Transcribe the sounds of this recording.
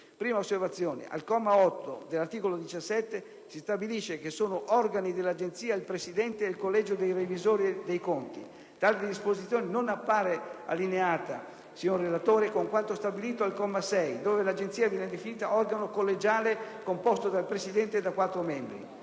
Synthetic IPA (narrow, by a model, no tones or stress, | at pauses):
pɾiːmaosːervat̪sːjoːnḛʔa̰lkɔmːaɔt̪ːo̰d̪elart̪iːkolod̪it͡ʃasːɛt̪ːe | sist̪abiliʃːekesoːnoʔɔrɡanid̪elːad͡ʒent̪siːailpɾesid̪ɛnt̪eːlkolːɛd͡ʒod̪ejrevizoːɾid̪ejkont̪i | t̪aːled̪d̪ispozit̪sjoːnenonapːaːɾea̰lːineaːt̪a | siɲorːelat̪oːɾekoŋkwant̪ost̪abiliːt̪oalkɔmːasɛjd̪oːvelad͡ʒent̪siːavjɛːned̪efiniːt̪aɔrɡanokolːed͡ʒaːlekompɔst̪od̪alpɾesid̪ɛnt̪ed̪akwat̪ːɾomɛmbɾḭ